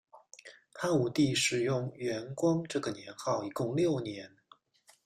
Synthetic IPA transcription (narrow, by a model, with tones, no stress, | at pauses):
xa˥˩nu˨˩t̪i˥˩ʂɻ̩˨˩jʊ˥˩ŋɥɛ˧˥nkwɑ˥ŋʈ͡ʂɤ˥˩ɡə˩njɛ˧˥nxɑ˥˩ʊi˨˩kʊ˥˧ŋljo˥˩ʊnjɛ˧˥n